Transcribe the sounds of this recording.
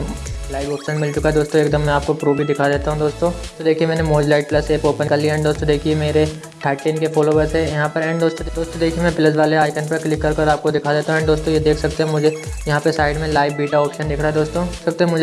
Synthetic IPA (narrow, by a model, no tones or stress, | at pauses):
laːɪʋɔːpʃənmɪlt͡ʃʊkaɦɛd̪oːst̪õeːk̚d̪əmːɛ̃aːp̚kopɾoːbʱid̪ɪkʰad̪eːt̪aɦũd̪oːst̪õt̪od̪eːkʰiemɛːnemoːd͡ʒlaːɪʈ̚plɐseːkoːpə̃nkəliɛ̃ɳɖd̪oːst̪õd̪eːkʰiemeːɾe | ʈʰaːʈʈeːnkefoːlobɐsɛjɐɦãpɐɾɛ̃ːɳɖd̪oːst̪õd̪oːst̪õd̪eːkʰiemɛ̃pləs̬ʋaːleaːɪkənpɐɾklɪkːɐɾkɐɾaːp̚kod̪ɪkʰad̪eːt̪aɦũɛɳd̪oːst̪õjed̪eːkʰsɐk̚t̪eɦɛ̃mʊd͡ʒʱejɐɦãpɐsaːɪɖmẽlaːɪʋbiːʈaɔːpʃənd̪ɪkʰɽaɦɛd̪oːst̪õsɐk̚t̪eɦɛ̃mʊd͡ʒʱe